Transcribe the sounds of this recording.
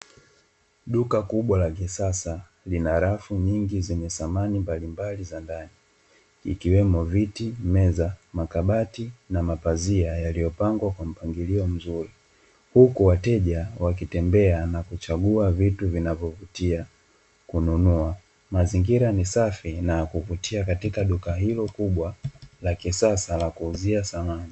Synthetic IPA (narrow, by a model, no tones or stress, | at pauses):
ɗukakuɓwalakisasa | linaɾafuɲiŋɡizɛɲɛsamanimbalimbalizandani | ḭkiwɛmɔvitimɛzamakaɓatinamapaziajalijɔpaŋɡwakwam̩paŋɡiliɔm̩zuɾi | hukuwatɛʄawak̬itɛmbɛanakut͡ʃaɠuavituvinavɔvutia | kununua | maziŋɡiɾanisafinakuvutiakatikaɗukaɦilɔkuɓwalakisasalakuːziasamani